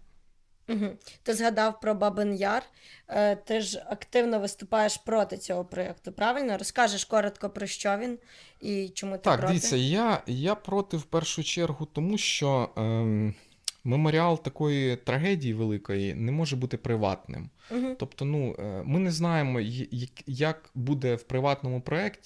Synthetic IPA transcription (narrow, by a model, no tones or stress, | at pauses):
m̩ɦ̩t̪ɪzɦɐd̪ɑwpɾɔbɐbɪnjɑr | t̪ɪʒɐkt̪ɪwnɔʋɪst̪ʊpɑjeʃpɾɔt̪ɪt͡sʲɔɦɔpɾɔɛkt̪ʊpɾɑʋɪlʲnɔɔɾɔskɑʒɪʃkɔɾɔt̪kɔpɾɔʃt͡ʃɔʋʲin | it͡ʃɔmut̪akd̪ɪʋʲit͡sʲːɐjajapɾɔt̪ɪwpɛrʃʊt͡ʃɛrɦʊt̪ɔmuʃt͡ʃɔ | memoɾʲɪɑlˠt̪ɐkɔjit̪ɾɐɦɛdʲijiʋelˠɪkɔjḭnɛmɔʒɛbut̪ɪpɾɪʋɑ̰t̪nɪ̰mɦ̩t̪ɔpt̪ɔnumɪnɛznɑjemɔjjɐkjɐkbud̪ɛwpɾɪʋɑt̪nɔmʊpɾɔɛktʲi̥